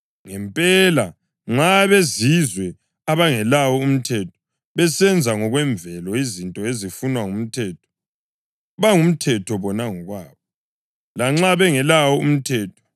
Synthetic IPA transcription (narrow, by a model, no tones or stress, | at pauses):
ŋɛmpʼɛla | ŋ͡ǁaβezizwɛ | aβaŋɛlawɔum̩tʰɛtʰɔ̥ | βɛsɛnd͡zʱaŋɔɣwɛɱbvɛlɔizintʼɔezifunwaŋum̩tʰɛːtʰɔ̥ | βaŋum̩tʰɛtʰɔβɔnaŋɔɣwaːβɔ | laŋ͡ǁaβɛŋɛlawɔum̩tʰɛːtʰɔ̥